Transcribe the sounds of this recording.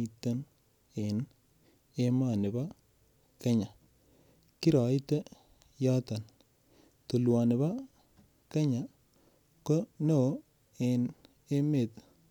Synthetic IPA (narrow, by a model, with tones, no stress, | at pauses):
i˨te˦n | e˨n | e˦ma˦˨nɪ˨ba˦ | ke˦ɲa˨ | ki˦ɾa˨i˦te˦ | ja˦ta˨n | tu˨lwa˨nɪ˨ba˦ | ke˦ɲa˨ | ko˦ne˦o˦ | e˨n | e˦me˨t̪